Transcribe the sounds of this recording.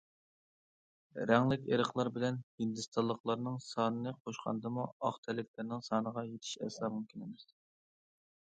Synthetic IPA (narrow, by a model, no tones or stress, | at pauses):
ɾɛŋlɪkʲḛɾəχlˠɑɾbɪlɛnhind̪ɨst̪ʰɑlˠːəqlˠɑɾnɨŋsɑːnɨnɨqʰoʃqʰɑ̰nd̪ɨmuɑχt̪ʰɛlːɪkʲlɪɾnɪŋsɑːnəʁɑjet̪ʰɪ̥ʃɛ̰sɑːmumkʲʰinɪmɪs